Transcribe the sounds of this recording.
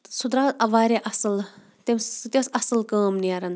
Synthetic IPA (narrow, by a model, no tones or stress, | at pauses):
sud̪ɾaːzɐʋaːɾeʔɐsɨl | t̪imst̪ʲesɐsɨlkaːmniɐɾɐn